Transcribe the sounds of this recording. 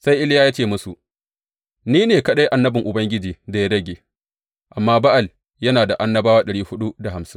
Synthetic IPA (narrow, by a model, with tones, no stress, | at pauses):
sa˦jʔɪ˦ljaː˦ja˦t͡ʃeː˦˨mʊ˦su˨ʔ | niː˦neː˨kɐ˦ɗa˦jʔa˨nːɐ˦bɪ˨ŋʔʊ˨bɐ˦ŋɡʲɪ˦d͡ʒiː˨da˨ja˦ɽɐ˦ɡʲeː˨ | ʔa˨mːaː˦ba˦ʔa˨l | jɐ˦naː˨da˨ʔa˦nːɐ˦baː˦waː˦ɗɐ˨ɽiː˦hʊ˦ɗu˦da˨ha˨msɪ̥˦ŋ